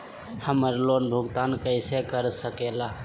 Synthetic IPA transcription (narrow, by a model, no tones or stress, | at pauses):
həməɾlonbʱuɡt̪ankəɪsekəɾsəkela